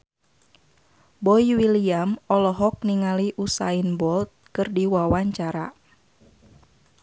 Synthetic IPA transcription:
bɔiwiliamɔlɔɦɔk̚niŋaliʔusa̰inbɔlt̪̚kɨrdiwawaɲt͡ʃaɾa̰

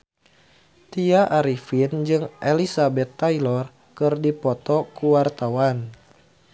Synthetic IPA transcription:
t̪iaʔaɾifind͡ʒɨŋʔelisabɛt̪ːailɔr | kɨrdipɔt̪ɔkuwart̪awan

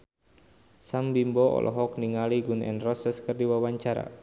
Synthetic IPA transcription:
sambimbɔɔ̰lʔɔ̰ɦɔkniŋaliɡunɛ̰nrɔsəskərdiwawaɲt͡ʃaɾa̰

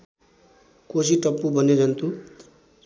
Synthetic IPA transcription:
kosiʈʌpːubʌned͡zʌnt̪ʰu

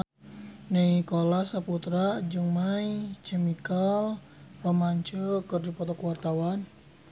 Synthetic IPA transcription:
neŋikolasaput̪ɾad͡ʒɨŋmait͡ʃɛmikal | pɔmaɲt͡ʃəkɨrdipɔt̪ɔkwart̪awan

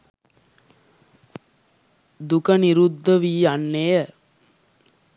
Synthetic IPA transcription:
d̪ukəniɾud̪ːəʋiːanːejə

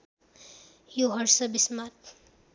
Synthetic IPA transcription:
juɦʌɾsʌbismat̪̚

